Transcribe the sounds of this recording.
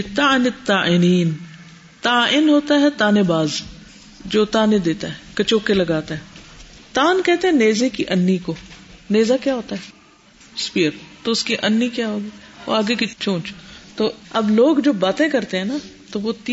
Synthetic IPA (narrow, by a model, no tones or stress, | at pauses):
t̪aɪnɪt̪ːaːʔɪniːn | t̪aːɪnɦoːt̪aɦɛt̪aːnebaːz | d͡ʒoːt̪aːned̪eːt̪aɦɛkɐt͡ʃoːkelɐɡaːt̪aɦɛːt̪aːnkɛɦt̪ẽɦɛ̃neːzekiʔɐnːikoːneːzakjaːɦoːt̪aɦɛː | spiːəɾt̪oʊskiʔɐnːikjaːɦoːɡiːo̰aːɡekit͡ʃʰõːt͡ʃt̪oːɐbloːɡd͡ʒoːbaːt̪ẽkɐɾt̪eɦɛ̃ːna | t̪oʋot̪i